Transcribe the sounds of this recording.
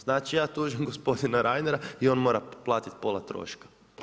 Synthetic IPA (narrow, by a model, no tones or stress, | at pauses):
z̥naːt͡ʃijaːt̪uːʒimɡospo̞d̪inaɾʔajneɾaio̞nmo̞ːɾaplˠaːt̪it̪po̞ːlˠat̪ɾo̰ːʃkḁ